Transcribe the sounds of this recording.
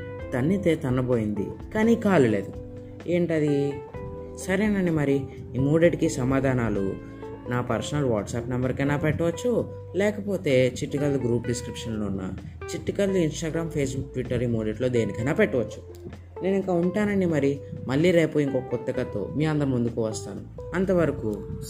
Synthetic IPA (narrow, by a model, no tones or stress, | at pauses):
t̪ɐnːit̪e̞ːt̪ɐnːɐboːjind̪ḭkaːnikaːlule̞̰ːd̪u | eːɳʈɐd̪i | sɐɾiɐnɐɳɖimɐɾi | imuːɖeʈkisɐmaːd̪ʱaːnaːlṵ | naːpɐɾsɐnɐluʋaːʈsaːpnɐmbɐɾkɐnaːpɛʈːɐʋɐt͡ʃːu | lɛːkɐpo̞ːt̪e̞ːt͡ʃiʈːikɐlːuɡɾuːpɖiskɾipʂɐnloːunːɐ̰ | t͡ʃiʈːikɐlːuinsʈaːɡɾaːmpʰe̞ːsbukʈʋiʈːɐɾiːmuːɖeʈlo̞ːd̪eːnikɐnaːpɛʈːɐʋɐt͡ʃːu̥ | ne̞ːniŋkaːuɳʈaːnɐɳɖimɐɾimɐlːiːɾe̞ːpuiŋkokːɐkɔt̪ːɐkɐt̪o̰ːmiːɐnd̪ɐɾɐmund̪ukuʋɐst̪a̰ːnuɐnt̪ɐʋɐɾɐku